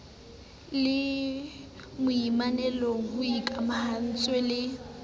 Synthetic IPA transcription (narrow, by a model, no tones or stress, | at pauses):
lɪ | mʊimanɛlɔhʊikʼamahan̩t͡sʼwɛlɪ